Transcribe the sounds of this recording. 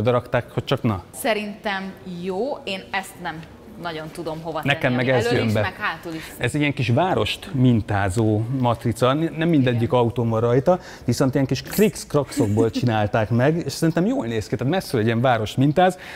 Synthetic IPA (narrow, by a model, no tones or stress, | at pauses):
d̪ɒɾɒkt̪aːkho̞c̚t͡ʃɒknɒsɛɾint̪ɛmjoːeːnɛst̪nɛm | nɒɟo̞nt̪ud̪o̞mɦo̞vɒnɛkɛmːɛɡɛzjømbɛkhaːt̪uliɛzijɛŋkiʃvaːɾo̞ʃt̪mint̪aːzoːmɒt̪rit̪sɒnɛmːind̪ɛɟːikɒut̪oːmvɒrɒjt̪ɒ | ʋiso̞nt̪ijɛŋkiʃkrikskrɒkso̞ɡ̚boːlt͡ʃinaːlt̪aːkmɛɡeːʃsɛɾint̪ɛmjoːlneːskit̪aːt̪mɛsːylɛɟiɛɱvaːɾo̞ʃt̪mint̪aːz